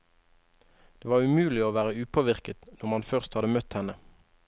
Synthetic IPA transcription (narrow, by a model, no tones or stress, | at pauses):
d̪̥eːʋɑːʁʉmʉːlɪoːʋæːʁəʉːpʰoːʋɪʁkət̪nɔʁmɑnfœʁst̪hɑd̪əmœt̪hɛnə